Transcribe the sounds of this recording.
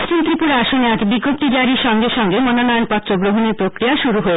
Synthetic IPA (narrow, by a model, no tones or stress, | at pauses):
st͡ɕint̪ɾipuɾaaʃoneat̪biɡːop̚t̪id͡ʑaɾiɾʃɔŋɡeɾʃɔŋɡemɔnonɔjonpɔt̪ːɾoɡɾoɦoniɾpɾokɾijaʃuɾuɦoe